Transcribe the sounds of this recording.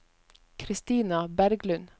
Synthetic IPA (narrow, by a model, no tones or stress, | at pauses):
kʰɾɪst̪iːnɑbæɾɡlʉn